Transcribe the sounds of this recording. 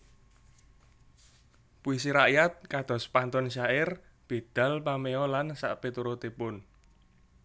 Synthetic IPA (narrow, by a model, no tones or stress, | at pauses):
puisiɾaʔjat̪̚kad̪̥ɔ̤spant̪ɔnʃaɪr | b̥e̤d̪̥ä̤lpameɔlansa̰ʔpet̪uɾot̪epʊn